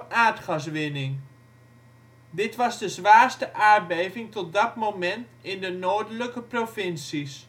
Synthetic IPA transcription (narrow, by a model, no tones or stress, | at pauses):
ʔaːtχɑsʋɪnɪŋ | dɪtʋɑzdəzʋaːɹstəʔaːɹbejvɪŋtɔt̚dɑtmomɛntɪndənoːdələkəprofɪnsis